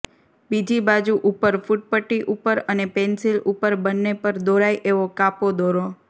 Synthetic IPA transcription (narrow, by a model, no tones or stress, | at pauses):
bid͡ʒibad͡ʒuʔupəɾfuʈ̚pəʈːiʔupəɾənepensilupəɾbənːepəɾd̪oɾajʔeʋokapod̪oɾo